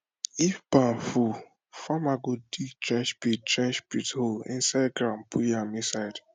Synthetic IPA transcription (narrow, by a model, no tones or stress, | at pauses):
ifbãnfu | famaɡoditɾɛ̃nʃpitɛ̃nʃpitholḭ̃nsaɡɾampʰujamisaɪd